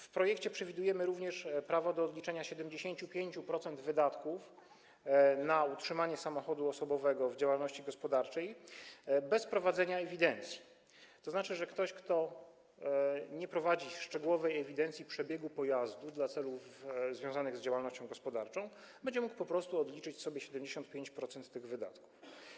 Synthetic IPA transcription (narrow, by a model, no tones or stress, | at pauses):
fpɾɔjɛkt͡ɕɛpʂɛvʲid̪ujɛmɘɾuvɲɛʂpɾavɔd̪ɔːd̪lʲit͡ʂɛɲaɕɛd̪ɛmd͡ʑeɕeɲt͡ɕupʲjeɲt͡ɕupɾɔt̪sɛnd̪vɘd̪at̪kuf | nautʂɘmaɲɛsamɔxɔd̪uɔsɔbɔvɛɡɔvd͡ʑawalnɔɕt͡ɕiɡɔspɔd̪aɾt͡ʂɛj | bɛspɾɔvad̪zɛɲaɛvʲid̪ɛnt̪sʲji̥ | t̪ɔznat͡ʂɘʐɛkt̪ɔɕkt̪ɔ | ɲɛpɾɔvad͡ʑiʂt͡ʂɛɡuwɔvɛjɛvʲid̪ɛnt̪sʲipʂɛbʲjɛɡupɔjazd̪ud̪lat̪sɛluvzvʲjɔ̃zanɘɣzd͡ʑawalnɔɕt͡ɕɔ̃w̃ɡɔspɔd̪aɾt͡ʂɔ̃w̃ | b̥ɛɲd͡ʑɛmuk̚pɔpɾɔst̪uɔd̪lʲit͡ʂɘt͡ɕsɔbʲjɛɕɛd̪ɛmd͡ʑeɕɔnt̪pʲeɲt͡ɕpɾɔt̪sɛnt̪ːɘɣvɘd̪a̰t̪ku̥f